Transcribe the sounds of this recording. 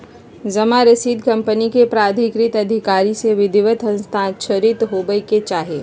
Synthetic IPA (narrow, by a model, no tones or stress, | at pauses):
zɐmaɾəsiːd̪kɐ̃mpənikepɾaːd̪ʱɪkɾɪt̪ɐd̪ʱɪkaːɾiseʋɪd̪ɪʋət̪ɐ̃nst̪ʰãːʃʰəɾɪt̪ɦoːbəiket͡ʃaːɦeː